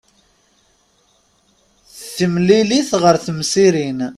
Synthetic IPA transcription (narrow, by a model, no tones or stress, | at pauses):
θθəmliliθʁəɾθəmsiɾin